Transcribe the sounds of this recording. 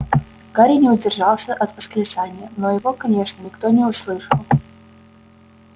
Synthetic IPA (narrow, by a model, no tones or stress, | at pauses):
ɡ̥aɾʲinʲɪʊdʲɪrʐɑlˠsʲəʔɐt̪vəskɾʲɪt̪sanʲɪjənojɪvokɐnʲeʂnənʲɪkt̪onʲɪʊslˠɨʂəlˠ